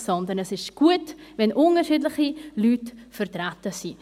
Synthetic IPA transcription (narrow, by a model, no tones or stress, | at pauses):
sɔndənɛsɪʃɡ̥uətvɛnʔʊnəɾʃiːdlɪχilyːtfəɾtɾatəsiː